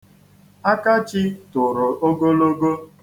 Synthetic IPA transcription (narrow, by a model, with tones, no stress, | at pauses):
a˦ka˦t͡ʃɪ˦tʊ˨ɾʊ˨o˦ɡo˦lo˦ɡo˦